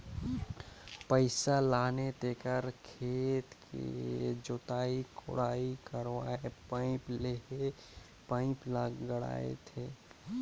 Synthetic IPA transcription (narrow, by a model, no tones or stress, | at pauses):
pəɪsalaːnet̪eːkəɾkʰeːt̪kʰḛd͡ʒoːt̪aikʊ̰ɽaːikəɾʋaepaɪ̃pleɦe | pãɪ̃pləɡɡəɽa̰ḛt̪ʰeː